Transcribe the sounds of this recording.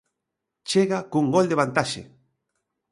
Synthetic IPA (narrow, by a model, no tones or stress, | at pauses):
t͡ʃeɣakuŋɡold̪eβant̪aʃḛ